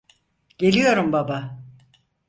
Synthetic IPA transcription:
ɟ̥e̞lʲijo̞ɾumbaba

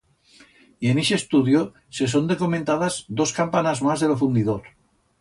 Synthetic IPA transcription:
ieneʃest̪uðjo | ses̬ond̪ekoment̪að̞azd̪oskampanazmazðelofund̪iðoɾ

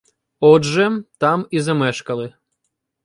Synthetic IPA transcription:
ɔdʒɛt̪amizɐmɛʃkɐlˠɨ

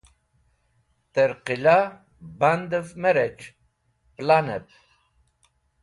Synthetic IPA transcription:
t̪əɾqila | band̪əvmɛɾɛt͡ʃ | planɛp̚

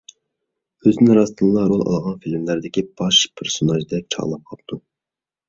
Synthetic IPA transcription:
øzɪnɪɾɑst̪ʰɨnlˠɑɾolˠɑ̰lˠʁɑnfilɪmlæɾd̪ɪkʲib̥ɑʃpʰeɾsonɑʒd̪ɛp̚t͡ʃʰɑ̰ʁlˠɑp̚qʰɑpt̪ʰu

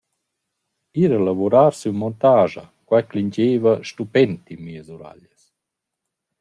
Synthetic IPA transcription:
iɾəlavuɾaːɾsymɔnt̪aːʒa̰kwajkliɲd͡ʒeːvəʃt̪upɛnt̪imiːəzuɾa̰ʎəs

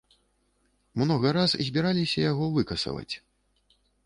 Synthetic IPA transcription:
mnɔɣɐɾaszʲbʲiɾalʲisʲɐjaɣɔvɨkɐsɐ̰vɐ̰t͡sʲ

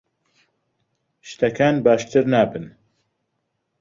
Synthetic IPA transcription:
ʃt̪ɐkʰaːnbaːʃt̪ʰɨɾnaːbɨn

